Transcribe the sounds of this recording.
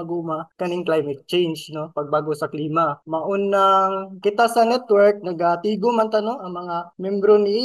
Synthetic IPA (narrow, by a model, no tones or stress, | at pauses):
ɐɡuːmakɐnɪŋklajmɛt̪̚t͡ʃɛjnd͡ʒno̞pɐɡ̚baːɡosɐkliːmɐmɐʔonːɐŋkɪt̪asɐnɛt̪wɛɹk̚nɐɡat̪iːɡomɐnt̪ɐnoŋʔɐŋmɐŋamjɛmbɾoni